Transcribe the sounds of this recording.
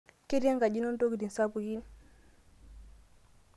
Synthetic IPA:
ki˦ɾja˦ŋɡa˨d͡ʒi˦nɔ˦ndo˦ɡi˨di˨n˨sa˦bu˨ji˦n

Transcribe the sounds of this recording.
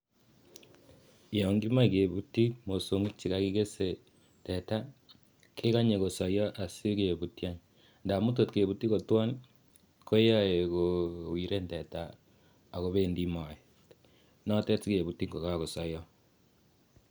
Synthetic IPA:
i˨jo˨ŋɡi˦ma˦i˨ke˨βu˦ti˦mo˨so˨ŋɡi˦t͡ʃi˦ka˦ki˦ke˦se˨ | te˨ta˦ | kʰe˦ka˦ɲe˨ko˨sa˨jɔ˦ʔa˨si˦ke˨βu˨tja˦n | nda˨mu˦t̬o˦˨tke˨βu˦ti˦ko˨twa˦n | kʰo˦ja˦e˨kowi˨ɾe˦nte˨taː˨ | ɣo˦βe˦ndi˦ma˨e˨ | nɔ˦te˦ti˦ke˨βu˨ti˦ŋɡo˨kaɣo˨sa˨jɔ˦

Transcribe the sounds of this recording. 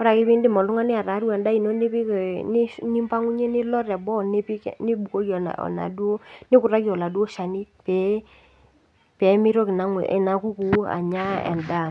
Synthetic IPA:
ɔ˦ɾa˨kɪ˦pi˦ndɪ˦mɔ˨lʊ˦ŋa˦nɪ˦a˨ɾa˨˦ɾu˦ɛ˨nda˦i˨nɔ˦nɪ˦pɪ˦˨n˦nɪ˦mpa˦ŋu˦ɲɛ˦nɪ˦lɔ˦ɾɛ˨bɔ˦˨nɪ˦pnɪ˦bu˨ko˦ki˦ɔ̰˨ɔ̰˨na̰˨du˦o˦nɪ˦kʊ˨ɾa˦ki˦ɔ˨la˨du˦ɔ˦ʃa˨ni˦ | pɛ˨˦ | pɛ˨˦mɪ˦ɾɔ˦kɪ˨na˨˦ŋ̰ɪ̰˨na˦ku˦ku˨˦a̰˨ɲa˦ɛ̰˨nda˦˨

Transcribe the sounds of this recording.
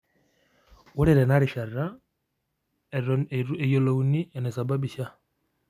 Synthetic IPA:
wu˦ɾe˨ɾe˨na˦ɾi˨ʃa˨ra | e˨jo˨lou˨ni˦enesa˨ba˦bi˨ʃa˦

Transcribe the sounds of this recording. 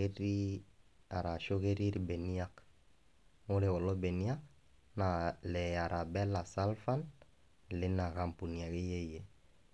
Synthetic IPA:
e˦ɾi˦ | a˨ɾa˨ʃo˦ɣe˦ɾi˦ɾi˦bɛ˨ni˦a˦k | ŋo˦ɾɛ˨wɔ˨lɔ˦bɛ˨ni˦a˦k | na˨lɛ˨a˨ɾʔa˨bɛ˦la˨sa˦lfa˦n | lɪ˦na˨ɣa˨mpu˨ni˨a˨ɣe˦je˦i˨je˨

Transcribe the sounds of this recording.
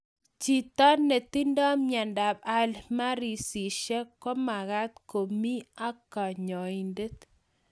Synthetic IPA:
t͡ʃi˨t̪ɔ˦nːe˨t̪i˦ndɔ˦mɲa˨nda˨ba˦lma˦ɾi˨si˨ʃe˦kɔ˦ma˨ɣa˦t̪ko˨mi˦a˦ka˨ɲɔ˨i˨nde˦t̪

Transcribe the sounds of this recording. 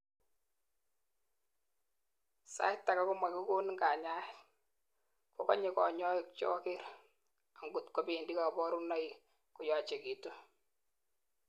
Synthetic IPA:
sa̰˦ɪ˦tːa˨ka˦kʊ˦ma˨ki˦ko˦n˦ŋɡa˨ɲa˦ | ko˨kɔ̰˦ɲe˦kɔ̰˨ɲɔ˦ɪk̚t͡ʃɔ̰˦kɪ˦ɾ | a˨ŋɡʊ˨tkɔ˦pi˨ndi˦ka˨bɔ˦ɾu˦na˦i | ku˨jɔ˨t͡ʃe˨ki˨tu˦

